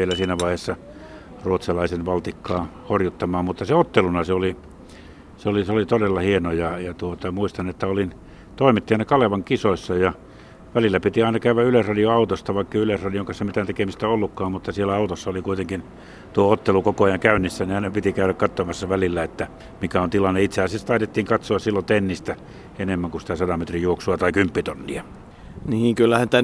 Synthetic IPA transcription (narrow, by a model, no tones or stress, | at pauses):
ielæsiːnæʋɑˑihesːɑ | ruot̪sɑlɑˑisenʋɑlt̪ikːɑːhorjut̪ːɑmɑːmmut̪ːɑseot̪ːelunɑseoli | seoliseolit̪odelːɑhienojɑjɑt̪uot̪ɑmuist̪ɑnet̪ːæolin | t̪oˑimit̪ːiɑnɑkɑleʋɑŋkisoisːɑjɑ | ʋælilːæpit̪iɑˑinɑkæyʋæylesrɑdioɑˑut̪ost̪ɑʋɑˑikːɑylesrɑdioŋkɑsemit̪ænt̪ekemist̪æolːukːɑːmmut̪ːɑsielːˑæɑˑut̪osːɑolikuit̪eŋkin | t̪uoot̪ːelukokoɑjɑŋkæˑynːisːæniɑˑinɑpit̪ikæˑyɾækkɑt̪ːomɑsːɑʋælilːæet̪ːæ | mikæont̪ilɑnːeit̪seæˑsest̪ɑˑit̪et̪ːiːŋkɑt̪soɑssilːot̪enːist̪æ | enemːæŋkusi̥t̪æsɑdɑmet̪rijuoksuɑt̪ɑikympːit̪onːiɑ | niːŋkylːæhænt̪æ